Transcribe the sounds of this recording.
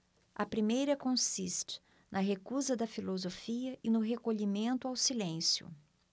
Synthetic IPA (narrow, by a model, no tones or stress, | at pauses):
ɐpɾimejɾɐkõsist͡ʃɪ̥ | nʔɐɦekuzɐd̪ɐfilozofiɐʔɪnʊɦekoʎimẽnt̪ʊawsilẽsjʊ̰